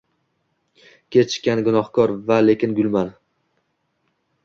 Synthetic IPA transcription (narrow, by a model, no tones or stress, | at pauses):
kʲʰet͡ʃʰɪ̥ʃkʲanɡʊnɒhkʰɒɾvale̞kʲɪnɡʊlman